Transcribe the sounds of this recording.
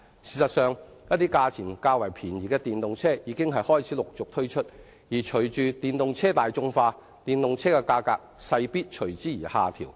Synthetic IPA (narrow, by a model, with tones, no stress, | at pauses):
siː˨sɐ˨t̚sœː˨˧ŋjɐ˥t̪iː˥kaː˧t͡sʰiː˨˩nkaː˧wɐ˨˩jpʰiː˨˩njiː˨˩kɛː˧t̪iː˨˩nt̪ʊ˨ŋt͡sʰɛː˥jiː˨˧˥kɪ˥ŋɦɐ˨jhɔː˥jt͡sʰiː˨˥lʊ˨k̚t͡sʊ˨k̚t̪ʰɵ˥ɥt͡ʃʰɵ˥t̚ | jiː˨˩t͡ʃʰɵ˨˩ɥt͡ʃyː˨t̪iː˨nt̪ʊ˨ŋt͡sʰɛː˥t̪aː˨jt͡sʊ˧ŋfaː˧ | t̪iː˨nt̪ʊ˨ŋt͡sʰɛː˥kɛ˧kaː˧kaː˧k̚sɐ˧jpiː˥t̚t͡ʃʰɵ˨˩ɥt͡siː˨˥jiː˨˩haː˨˩t̪ʰḭː˨˩w